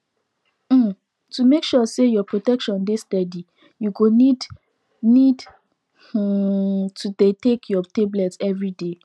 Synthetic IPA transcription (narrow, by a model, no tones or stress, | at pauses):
m̩ | tumekʃusejɔpɹotɛkʃɔ̃ndestɛdi | juɡonid | nid | tʰudetekʰjɔteblɛtɛvɹide